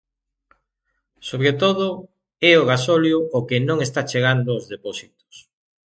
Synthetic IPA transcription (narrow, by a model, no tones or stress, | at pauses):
soβ̞ɾet̪oðʊ | ɛoɣ̞asoljʊːkɪnõŋest̪at͡ʃeɣand̪ʊozðepɔsit̪o̥s